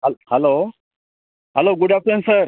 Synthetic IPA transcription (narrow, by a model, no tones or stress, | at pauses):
hɛlo | ɦɛloɡuɖʱafɾensəɾ